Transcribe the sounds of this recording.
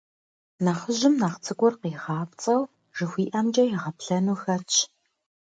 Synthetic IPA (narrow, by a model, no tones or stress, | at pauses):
naːχəʑɪmnaːχt͡sʰɨɡʷɔrqiːʁɑːpt͡sʼɐw | ʒ̥ɨxʷiːʔɐmd͡ʒʼɐjɪʁɐpɬɐnuːxɐt͡ʃʰ